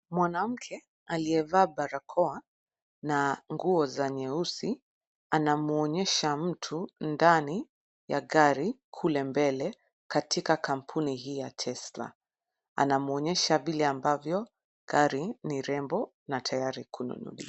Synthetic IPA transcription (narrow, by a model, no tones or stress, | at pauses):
mwanam̩kʰɛ | aliɛvaːɓaɾakʰɔa | naŋɡuɔzaɲɛusi | anamuɔɲɛʃam̩tʰundani | jaɡaɾikʰulɛmbɛlɛ | katʰikakam̩pʰuniɦiːjatʰɛsla̰ | a̰namuɔɲɛʃavilɛambavjɔ | ɡ̥aɾiniɾɛmbɔ | natʰajaɾikʰunṵnṵɗḭa